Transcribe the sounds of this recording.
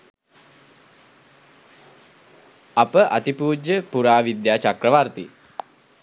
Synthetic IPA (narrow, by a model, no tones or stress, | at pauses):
apəʔat̪ipuːd͡ʒəpuɾaːʋid̪jaːt͡ʃakrəʋart̪ḭ